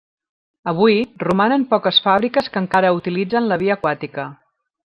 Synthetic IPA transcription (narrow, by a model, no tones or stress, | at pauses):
əβ̞ujrumanəmpɔkəsfaβɾikəskəŋkaɾəut̪ilid͡zənləβiəːkwat̪ikə